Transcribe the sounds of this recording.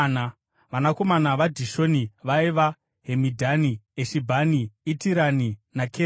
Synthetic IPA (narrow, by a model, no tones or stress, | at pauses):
na | ʋanako̞manaʋadʱiʃo̞niʋaiʋa | ɦemidʱanieʃibʱaniitiɾaninakʰe